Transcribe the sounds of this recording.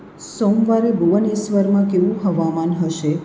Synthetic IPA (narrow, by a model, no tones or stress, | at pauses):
somʋaɾebʱuʋənesʋəɾmãkeʋũɦəʋamanɦəʃe